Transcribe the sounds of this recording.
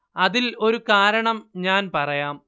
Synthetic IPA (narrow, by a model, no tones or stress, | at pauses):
ɐðilo̞ɾukaːɾɐɳɐmɲaːnpɐrɐjaːm